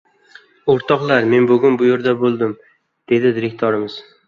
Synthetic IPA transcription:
oɾt̪ʰɒqlˠaɾme̞nbʊɡʲʊnbʊjoɾd̪abolˠd̪ɪm | d̪̥e̞d̪ɪd̪ɪɾekt̪ʰɒɾɪmɪz̥

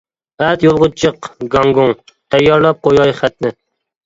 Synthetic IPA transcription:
ɛt̪jolˠʁʊt͡ʃʰɨqɡɑŋɡuŋ | t̪ʰɛjːɑɾlˠɑp̚qʰojɑjχæt̪nɪ

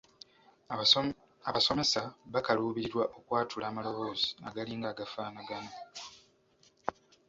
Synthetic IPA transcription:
aβaso̞me̞saβakaluːβiɾiɾwaʔo̞kwaːtulaːmalo̞βo̞ːzi̥a̰ɡaliːŋɡaːɡafaːnaɡano

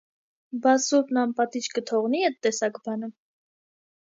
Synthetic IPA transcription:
bɑsupnɑmpɑt̪it͡ʃkət̪ʰɔʁniɛt̪ːɛsɑkbɑnə

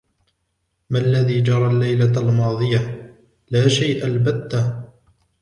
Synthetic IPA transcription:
maalːaðiːd͡ʒɑɾˤɑlːajlalmɑːðˤɨja | laːʃajʔalbat̪ːa

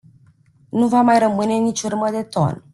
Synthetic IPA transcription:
nuvamajɾəmɨne̞nit͡ʃʲurməd̪e̞t̪o̰n

